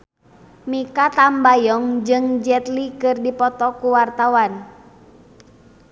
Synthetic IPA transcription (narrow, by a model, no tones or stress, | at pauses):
mikat̪ambajɔŋd͡ʒɨŋd͡ʒɛt̪likɨrdipɔt̪ɔkuwart̪awan